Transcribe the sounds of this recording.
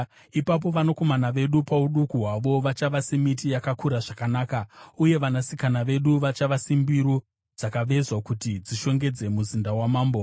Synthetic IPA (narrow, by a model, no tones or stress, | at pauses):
ipap̬o̞ʋanoko̞manaʋe̞ɗupauɗukuɦwaʋo̞ʋat͡ʃaʋasemitijakakuɾaʐakanaːkauje̞ʋanasikanaʋe̞ɗuʋat͡ʃaʋasimbiɾo | d͡zakaʋe̞zwakutid͡ziʃo̞ŋɡe̞d͡ze̞muzindawamaːmbo